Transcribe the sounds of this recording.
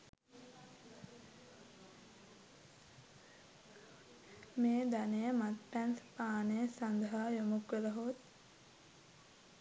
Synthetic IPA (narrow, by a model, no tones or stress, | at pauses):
meːd̪anejəmat̪pɛnspaːnejəsand̪ɐɦaːjomukʋeləɦoːt̪